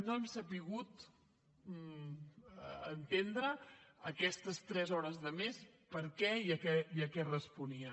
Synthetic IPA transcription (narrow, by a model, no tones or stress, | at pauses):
noɛmsəpiɣ̞ut̪ | ənt̪end̪ɾəəkɛst̪əst̪ɾɛzɔɾəzðəmespəɾkɛiəkɛiəkɛrəspuniə